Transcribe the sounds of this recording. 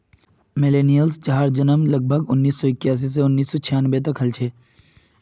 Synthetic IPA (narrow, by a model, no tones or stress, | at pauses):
meleːnijəlst͡ʃaɦaɾd͡ʒənəmlɐɡ̚bʱəɡʊnːiːsːɔɪkjaːs̬is̬eʊnːiːsːɔt͡ʃʰijaːnbet̪̬ɐkɦɐlt͡ʃʰeː